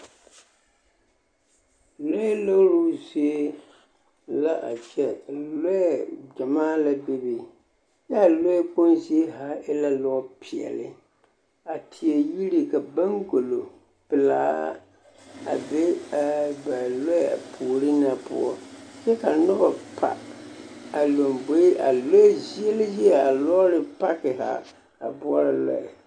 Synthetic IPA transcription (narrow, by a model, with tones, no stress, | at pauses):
lɔ˦ɛ˦lo˦ɾu˦si˦ | la˦ʔa̰˨t͡ʃɛ˦˨lɔ˦˨d͡ʒa˨maː˦la˦be˦bi˨ | ja˦˨lɔ˦ɛ˦k͡po˦nsi˦e˦ɦa˦ɪ˦la˦lɔ˦pʰi˨ɛ̰˨lɪ̰˦ | a˨tʰɪ˨e˨ji˦ɾi˨ka˨ba˦ŋɡo˨lo˨ | pɪ˨la̰ː˦ | a˨be˦˨ | ba˨lo˦˨a̰˨pʰu˨ɾɪ˦na˨pʊ̰˦ɔ̰˦t͡ʃɛ˦ka˨nʊ˦ba˨pʰa̰˨ | a˨lo˨mbo˨˦i˦ʔa˨lo˦zi˦ɛ˦lɪ˦zi˦ɛ˨a˨lɔ˦lɪ˨pa˦kɪ˨ɦa̰˨ | a̰˨bʊ˦ɔ˦ɾa˨la̰˦˨